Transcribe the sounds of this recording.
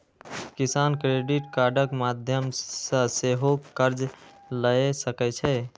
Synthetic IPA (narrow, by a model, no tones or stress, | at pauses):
kisankɾeɖiʈkaɾɖəkmad̪ʱjəmsə̃seɦokəɾd͡ʒ | ləesəkɛt͡ʃʰɛ